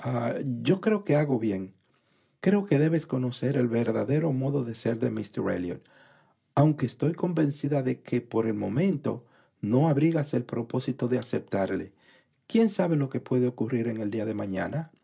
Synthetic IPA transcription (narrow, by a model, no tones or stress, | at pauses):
aɟ͡ʝo̞kɾe̞oke̞aɣo̞βje̞ŋ | kɾe̞oke̞ðe̞βe̞sko̞no̞se̞ɾe̞lβe̞ɾðaðe̞ɾo̞mo̞ðo̞ðe̞se̞ɾðe̞mist̪erḛljo̰n | awŋke̞ːst̪o̞jko̞mbe̞nsiðaðe̞kʰe̞po̞ɾe̞lmo̞mẽ̞nt̪o̞̰ | no̞aβɾiɣase̞lpɾo̞po̞sit̪o̞ðe̞ase̞p̚t̪aɾle̞̰ | kje̞nsaβe̞lo̞ke̞pwe̞ðeo̞kuriɾe̞ŋeld̪iaðe̞mãɲa̰na